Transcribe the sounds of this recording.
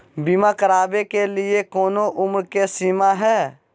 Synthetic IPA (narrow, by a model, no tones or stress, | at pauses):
bimakəɾaːbekeliekoːnoʔʊmɾkesimaɦɛː